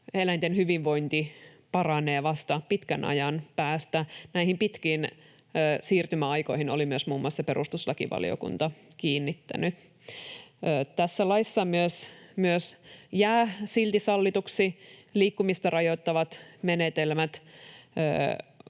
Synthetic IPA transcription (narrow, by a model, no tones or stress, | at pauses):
elænt̪enhyʋiʋʋo̞int̪i | pɑrɑneːʋɑst̪ɑpit̪kænʔɑ̰jɑnpæːst̪ænæihimpit̪kiːnː | siːrt̪ymæɑjko̞ihinolimyøsmuːmːˑuɑsɑpeɾust̪uslɑkḭʋɑ̰lḭo̰kṵnt̪ɑkiːnːit̪ːæ̰ny | əːt̪æsːælɑisːɑmyøsmyøsjæːsilt̪isɑlːit̪uksiliːkːumist̪ɑrɑjo̞t̪ːɑʋɑt̪menet̪elmæt̪ə̰ː